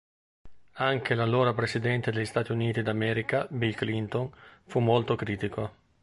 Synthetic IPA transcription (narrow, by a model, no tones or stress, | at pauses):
aŋk̟elaloːɾapɾesid̪ɛnt̪ed̪eʎːist̪aːt̪iuniːt̪id̪amɛːɾikabilklint̪onfumːolt̪okɾiːt̪iko